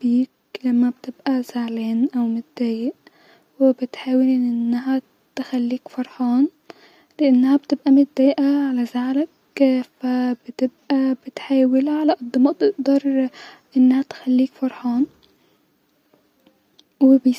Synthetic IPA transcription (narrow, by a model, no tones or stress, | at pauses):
biːk | lamːab̚t̪ɪbʔazaʕleːnʔawmɪt̪̚d̪aːjɪʔ | wɪbɪt̪ħaːwɪlʔɪnːaɦa | t̪xalːiːkfɑɾˤħɑːn | lɪʔanːhab̚t̪ɪbʔamɪt̪̚d̪aːjʔaʕalazaʕlakː | fabɪt̪ɪb̚ʔabɪt̪ħaːwɪlʕalaʔɑd̪ˤːɨmɑʔt̪ɪʔd̪ɑɾˤʔɪnːhat̪xalːiːkfɑɾˤħɑːn | wɪbɪ